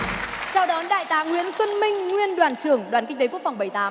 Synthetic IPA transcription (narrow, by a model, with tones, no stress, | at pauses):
t͡ɕa˧wɗɔ˨˦nɗa̰ː˧˨jt̪aː˨˦ŋwi˧˥ənswə˧nmï˧ŋ̟ŋwi˧ənɗwaː˨˧˩nt͡ɕɨ˧˩əŋɗwaː˨˧˩nkï˧ŋ̟t̪e˨˦ku˥ək̚fa˨˩wŋ͡mɓə˧˩jt̪aː˨˦m